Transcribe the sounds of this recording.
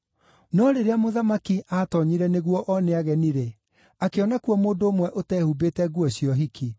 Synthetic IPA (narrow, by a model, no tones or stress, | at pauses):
nɔɾeɾeamoðamakiaːtɔɲiɾɛneɣwɔʔɔneaɣɛniɾe | akeɔnakuɔmoːndomwɛʔotɛːhubetɛɡuɔɕjɔɦikʰi